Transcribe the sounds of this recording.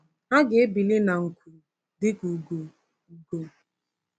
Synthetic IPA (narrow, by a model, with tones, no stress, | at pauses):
a˦ɡɪ˨e˦bi˨lɪ˦na˨ŋ̩˨kʷu˨ | dɪ˦ku˨ɡu˨ | u˨ɡo˨